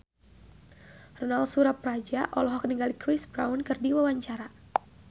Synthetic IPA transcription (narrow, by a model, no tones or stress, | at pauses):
rɔnalsuɾap̚rad͡ʒaʔɔlɔɦɔkəniŋɡalikɾɪsbɾawnkɨrdiwawaɲt͡ʃaɾa